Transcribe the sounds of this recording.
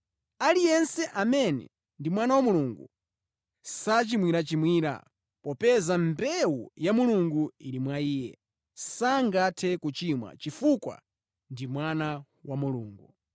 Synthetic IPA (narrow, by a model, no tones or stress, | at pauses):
alijɛnsɛʔamɛnɛ̰ | ndimwanawamuluŋɡṵ | sat͡ʃimwiɾat͡ʃimwiːɾa̰ | pɔpɛzambɛwujamuluŋɡuiɾimwaiːjɛ̰ | saŋɡatʰɛkut͡ʃimwa̰t͡ʃifukwa̰ | ndimwana | wamuluːŋɡu